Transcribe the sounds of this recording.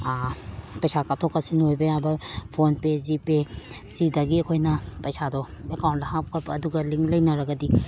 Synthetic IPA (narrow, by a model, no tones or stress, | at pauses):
pɐjsakatʰokːɐsinojbejabɐpʰonpezipe | sidɐɡiɐkʰojnɐpɐjsadɔ | ekawntlɐɦap̚kʰɐpːduɡɐliŋlɐjnɐɾɐɡɐdi